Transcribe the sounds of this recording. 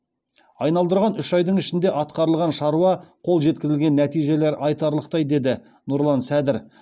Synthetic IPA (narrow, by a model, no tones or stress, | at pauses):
ɑjnɑlˠd̪əɾʁɑnʏʃɑjd̪əɴɪʃɪnd̪e̞ʔɑt̪̚qɑɾəlˠʁɑnʃɑɾuwɑqʰo̞lˠʒe̞t̪̚kʲɪzɪlɡʲe̞nːæt̪ijʒe̞le̞ɾʔɑjt̪ɑɾlˠəq̚t̪ɑjd̪e̞d̪ɪ | nʊɾlˠɑnsæd̪ɪɾ